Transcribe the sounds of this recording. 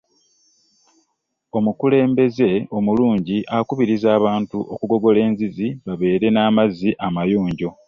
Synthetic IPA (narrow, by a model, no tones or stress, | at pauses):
o̞mukule̞ːmbe̞ze̞o̞muluːɲɟiʔakuβiɾizaːβaːntuʔo̞̰kuɡo̞ɡo̞le̞ːnziziβaβe̞ːɾe̞naːmazːiʔamajuːɲɟo̞